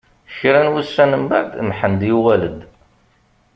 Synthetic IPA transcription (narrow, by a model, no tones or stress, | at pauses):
çɾænwusːænəmba̰ʕd̪mħənd̪juwæləd̪